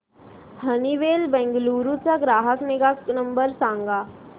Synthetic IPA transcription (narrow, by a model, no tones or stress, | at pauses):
hɐniʋeːlbɛ̃ːŋɡluːɾut͡ʃəɡɾaːɦəknɪɡaknɐ̃mbəɾsãːŋɡaː